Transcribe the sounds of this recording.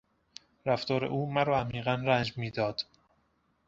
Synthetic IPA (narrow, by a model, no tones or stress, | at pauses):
ɾæft̪ɒːɾḛʔuːmæɾɒːæmiːɣænrænd͡ʒmiːd̪ɒːd̪̥